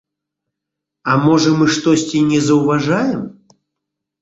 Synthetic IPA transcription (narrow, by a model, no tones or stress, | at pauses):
ɐmɔʐɐmɨʂt̪ɔsʲt͡sʲinʲɛzɐwvaʐajɛm